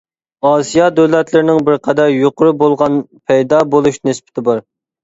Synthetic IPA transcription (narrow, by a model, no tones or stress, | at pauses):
ɑːsijɑd̪øwlɛt̪lɪɾɪnɪŋbɪɾqʰæd̪æɾjoqʰʊɾɨbolˠʁɑnpʰɛjd̪ɑbolˠuʃnɪspɪ̥t̪ʰɪbɑɾ